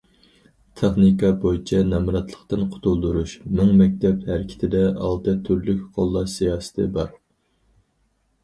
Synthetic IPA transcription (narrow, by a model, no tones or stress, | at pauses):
t̪ʰeχnikɑbojit͡ʃʰɛnɛmɾɑt̪lˠə̥χt̪ɨnqʰʊ̥t̪ʰulˠd̪uɾuʃmɪŋmɛk̚ʲt̪ɛphæɾɪkʲʰɪ̥t̪ʰɪd̪ɛɑ̰lˠt̪ɨt̪ʰyɾlykʲqʰolˠːɑsijɑːsɨ̥t̪ʰɨbɑɾ